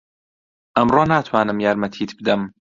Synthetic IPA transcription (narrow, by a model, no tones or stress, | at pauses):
ʔɐmrɑːnaːt̪ʰwaːnɨmjaːɾmɐt̪ʰiːt̪ʰbɨd̪ɐm